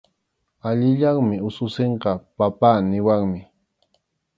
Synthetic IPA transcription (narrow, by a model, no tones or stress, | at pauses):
aʎɪʎaŋmɪʊsʊseɴqɑpapaːnɪwaŋmɪ